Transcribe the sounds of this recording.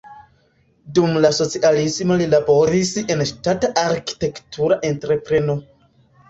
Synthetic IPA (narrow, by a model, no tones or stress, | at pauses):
dumlaso̞t͡sialismo̞lilabo̞ɾise̞nʃtataʔaɾki̥te̞ktuɾaʔe̞ntɾe̞pɾe̞no̞